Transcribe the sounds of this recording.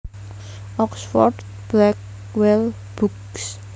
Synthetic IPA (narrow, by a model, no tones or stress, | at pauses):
ʔɔksfɔ̰rd | b̥lɛk̚ | wɛl | b̥uks